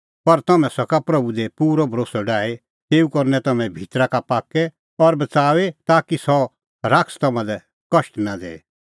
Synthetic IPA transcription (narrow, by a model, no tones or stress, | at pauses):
pɐɾt̪ɐmɛ̃sɐkapɾɐbud̪epuːɾɔbʱɐɾoːsɔɖaːe | t̪eːukɐɾnɛt̪ɐmɛ̃bʱiːt̪ɾakapaːkːɛ | ɔɾbɐt͡saːʋet̪aːkisɔ | ɾaːkst̪ɐmãd̪ɛ | kɐʃʈnad̪ḛː